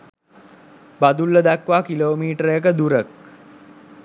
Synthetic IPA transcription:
bad̪ulːəd̪ækʋaːkiloːmiːʈəɾəjək̬əd̪uɾək̚

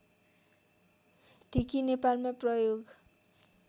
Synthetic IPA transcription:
t̪ikinepalmaprʌjoɡ

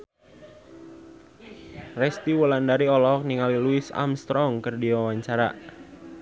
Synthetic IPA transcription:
rɛst̪iwəlandaɾiɔlɔɦɔk̚niŋaliluɪsa̰mst̪ɾɔŋkərdiwawaɲt͡ʃaɾa̰

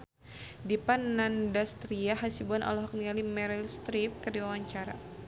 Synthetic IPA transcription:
dipanːandast̪ɾiaɦasibanʔa̰lɔɦɔk̚niŋalimɛɾilst̪ɾip̚kərdiwawaɲt͡ʃaɾa̰

